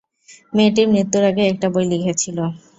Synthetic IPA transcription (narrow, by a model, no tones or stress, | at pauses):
meʈiɾnet̪ːuɾaɡeɛk̚ʈabojlikʰet͡ɕʰilo